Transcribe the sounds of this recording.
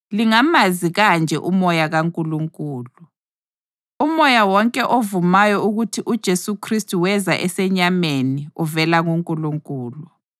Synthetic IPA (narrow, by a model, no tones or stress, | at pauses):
liŋamaziɣand͡ʒʱɛ̰ʔumɔjaɣaŋkʼuluŋkʼuːlu | umɔjawɔŋkʼɛʔovumajɔuɣutʰiʔud̥ʒ̥ʱesukʰristʼuwɛzaʔɛsɛɲameniuvɛlaŋuŋkʼuluŋkʼuːlu